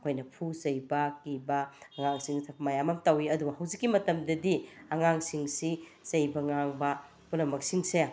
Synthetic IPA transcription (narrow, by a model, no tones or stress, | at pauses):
ɐkʰojnɐpʰuzɐjbɐkibɐɐŋaŋsiŋmɐjamɐmtɐwiɐduɡɐhɐwzikːimɐtɐmdɐdiɐŋaŋsiŋsisɐjbɐŋaŋbɐ | pulɐmɐk̚siŋse